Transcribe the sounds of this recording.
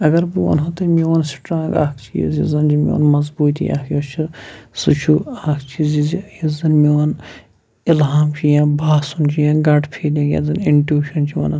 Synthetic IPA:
ɐɡɐɾbuʋɐ̰nɦɐt̪ɨmiɐnsʈɾãːŋɡa̰ːkʰt͡ʃʰijizizɐnd͡ʒimio̰ːnmɐzbuːt̪ija̰ːkʰjoːt͡ʃʰisut͡ʃʰuaːkʰt͡ʃʰizizijizɐnmiɐn | ɪlɦaːmt͡ʃʰijãːbʱaːsunt͡ʃʰijãːɡɐʈpʰeːlãɡʲjɐ̰zɨniɳʈjuːʃɐnt͡ʃʰiʋɐ̰nɐ

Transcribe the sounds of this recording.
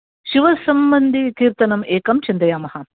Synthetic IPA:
ʃiʋɐsɐmbɐnd̪ʱikiːɾt̪ɐnɐmeːkɐmt͡ʃind̪ɾɐjaːmɐhɐ

